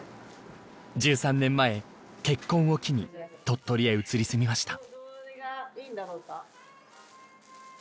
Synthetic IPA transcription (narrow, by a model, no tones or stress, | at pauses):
d͡ʑɨːsãnːẽ̞mːae̞ | ke̞kːõ̞ɰ̃o̞kʲiɲ̟it̪o̞t̪ːo̞ɾʲieɯ̟t͡sɨɾʲisɨmʲimaɕi̥t̪ḁ | ind̪aɾoːka